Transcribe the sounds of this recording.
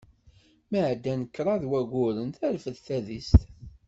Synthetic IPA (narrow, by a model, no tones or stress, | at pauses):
məʕd̪ːænəkːɾˤɑðwæɡʊɾənθæɾfəðθæðist̪